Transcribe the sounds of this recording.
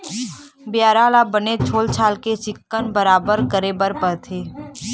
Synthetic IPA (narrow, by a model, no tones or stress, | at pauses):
bjaːɾaːlabənet͡ʃʰoːlt͡ʃʰaːlkesɪkːənbəɾaːbəɾkəɾebəɾpəɾt̪ʰeː